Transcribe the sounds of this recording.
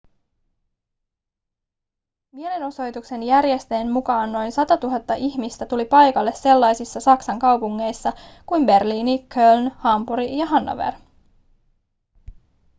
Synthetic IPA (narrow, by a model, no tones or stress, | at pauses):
mie̞leno̞so̞jt̪ukse̞njæɾje̞st̪e̞ːmmukɑːnːo̞jnsɑt̪ɑt̪uɦɑt̪ːɑʔiçmist̪æt̪ulipɑjkɑlːe̞sse̞lːɑjsisːɑsɑksɑŋkɑwpuŋːe̞jsːɑkujmbe̞rliːnikʰølnhɑmbuɾijɑɦɑnːo̰ʋḛr